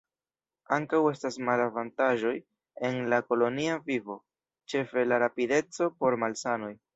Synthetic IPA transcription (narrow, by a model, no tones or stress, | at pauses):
aŋkawe̞stasmalavantaʒo̞j | e̞nlako̞lo̞niavivo̞ | t͡ʃe̞fe̞laɾapide̞t͡so̞po̞ɾmalsano̞j